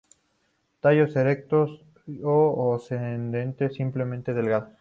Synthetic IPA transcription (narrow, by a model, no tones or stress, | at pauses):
t̪aʝo̞seɾe̞k̚t̪os | oosend̪e̞nt̪e̞sːimple̞mẽnt̪eðe̞lɣaðo